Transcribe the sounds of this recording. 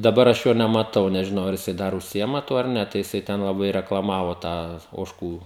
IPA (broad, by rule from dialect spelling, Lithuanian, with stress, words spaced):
dɐˈbɐr ɐʃ ˈjoː nʲɛmɐˈtɐʊ nʲɛʒʲɪˈnɐʊ ɐr jɪˈsɐɪ ˈdɐr ʊʃʲˈsʲɪɪmɐ ˈtuɔ ɐr ˈnʲɛ tɐɪ jɪˈsɐɪ tʲɛn lˠɐˈbɐɪ rʲɛklˠɐˈmɑːʋoː ˈtɑː oːʃˈkuː